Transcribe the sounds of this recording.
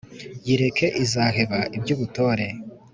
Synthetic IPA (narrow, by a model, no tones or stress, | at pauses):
jiɾe̞kʰe̞ʔizaːɦe̞βaʔibɟuːβuto̞ːɾe̞